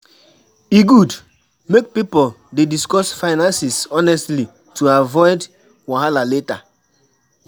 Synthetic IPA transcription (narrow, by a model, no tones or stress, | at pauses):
iɡud | mek̚pipol | dediskɔsfaɪnãnsisɔnɛstli | tʰuavɔɪd | waɦalaleta̰